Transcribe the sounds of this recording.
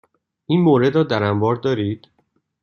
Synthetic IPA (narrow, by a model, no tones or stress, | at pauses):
ʔiːnmoːɾe̞d̪ɾɒːd̪æɾæmbɒːɾd̪ɒːɾiːd̪̥